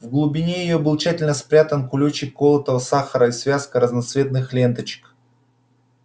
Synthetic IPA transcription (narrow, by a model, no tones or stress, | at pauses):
vɡlˠʊbʲɪnʲejɪjobɨlˠt͡ɕætʲɪlʲnəspɾʲat̪ənkʊlʲut͡ɕɪkːolˠət̪əvəsaxəɾəisvʲaskəɾəznɐt̪svʲe̞t̪nɨxlʲe̞nt̪ət͡ɕɪ̥k